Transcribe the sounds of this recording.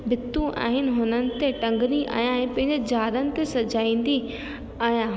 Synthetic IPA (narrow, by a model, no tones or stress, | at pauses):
bɪt̪ːũʔa̰ːɦɪnɪ̆ɦʊnənɪ̆t̪eʈɐ̃ŋɡniʔa̰ːɦjãɦɪ̃pɐ̃ɦɪ̃ɲd͡ʑd͡ʑaːɾənɪ̆t̪esɐd͡ʑaːĩːnd̪i | aːɦjã